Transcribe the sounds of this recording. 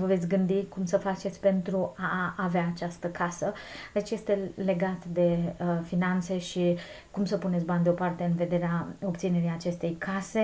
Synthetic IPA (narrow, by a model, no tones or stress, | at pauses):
vəvet̪sʲɡɨnd̪ikumsəfat͡ʃet̪sʲpe̞nt̪ɾuaːveaːt͡ʃast̪əkʰasəd̪et͡ʃje̞st̪e̞le̞ɡat̪d̪e̞finant̪se̞ʃi | kumsəpunet̪sʲbanʲd̪eo̞part̪e̞ɨnve̞d̪e̞ɾeao̞pt̪sineɾijat͡ʃe̞st̪e̞jkʰase̞